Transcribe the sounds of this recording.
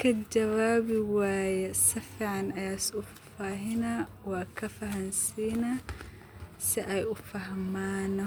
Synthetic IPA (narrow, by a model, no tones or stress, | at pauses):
kʰɐd͡ʒɐwaːβɪwaːjɛsɐfiːʕɑnɐjaːsʊ | faɦɪna | wɑːkʰɐfɐɦɐnsiːna | sɪʔɛjʊfɐɦmaːnɔ